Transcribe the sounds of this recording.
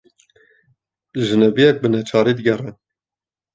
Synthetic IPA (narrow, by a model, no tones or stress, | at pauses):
ʒɨnɛvijɛk̚bɨnɛt͡ʃʰɑːɾiːd̪əɡɛrɛn